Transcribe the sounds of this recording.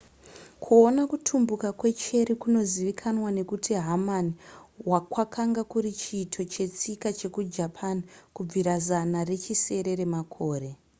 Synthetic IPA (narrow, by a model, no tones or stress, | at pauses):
kʰuo̞nakutʰumbukakwe̞t͡ʃe̞ɾikuno̞ziʋikʰanwane̞kutiɦamaniwakwakʰaŋɡakuɾit͡ʃiːtʰo̞t͡ʃe̞t͡sikat͡ʃe̞kud͡ʒapʰanikub͡viɾazanare̞t͡ʃise̞ɾe̞ɾe̞makʰo̞ːɾe̞